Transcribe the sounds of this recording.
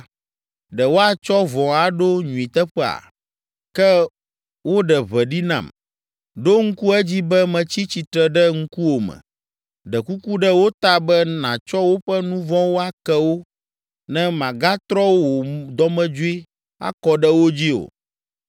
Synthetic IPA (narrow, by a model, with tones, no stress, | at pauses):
ɖɛ˨wo˦a˨t͡ʃɔ˦vɔ̃˨a˨ɖo˦ɲũ˨i˨t̪ɛ˦ɸɛ˦a̰˨ | kɛ˦ | wo˦ɖɛ˨βɛ˨ɖi˦nã̰˨m | ɖo˦ŋ̩˦ku˦ɛ˦d͡ʑi˦bɛ˦mɛ̃˨t͡ɕi˦t͡ɕi˨t̪ɾɛ˨ɖɛ˦ŋ̩˦ku˦wo˨mɛ̰̃˨ | ɖɛ˨ku˦ku˦ɖɛ˦wo˦t̪a˦bɛ˦nã˨t͡ʃɔ˦wo˦ɸɛ˦nũ˦vɔ̃˦wo˦a˦kɛ˦wo˦ | nɛ̃˦mã˨ɡa˦t̪ɾɔ˦wwo˨d̪ɔ˦mɛ̃˦d͡ʒu˦i˦ | a̰˦kɔ˨ɖɛ˦wo˦d͡ʑi˦o̰˨